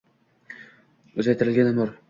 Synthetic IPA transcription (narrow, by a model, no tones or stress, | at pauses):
ɵzajt̪ʰɪɾɪlɡʲanɪmʊɾ